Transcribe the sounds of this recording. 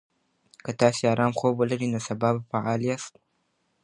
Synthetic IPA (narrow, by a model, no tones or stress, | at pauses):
kɐt̪aːsiaːɾaːmxoːbɐlɐɾiːnɐsɐbaːbafaʕaːliast̪̚